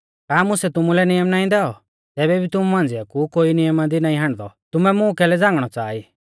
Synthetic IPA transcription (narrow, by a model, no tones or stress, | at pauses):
kaːmʊsɛt̪ʊmulɛnɪjəmnaːĩd̪ɛɔ | t̪ɛːbɛbʱit̪ʊmumãːnd͡zɪjakukoːinɪjəmad̪inaːĩɦãɽ̃d̪ɔ̰t̪ʊmɛmʊ̃kɛlɛd͡zãːŋɡɽ̃ɔt͡saːi